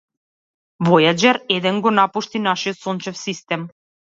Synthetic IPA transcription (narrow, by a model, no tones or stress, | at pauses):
vɔjad͡ʒaɾɛd̪ɛnɡɔnapuʃt̪inaʃijot̪sɔnt͡ʃɛfsist̪ɛm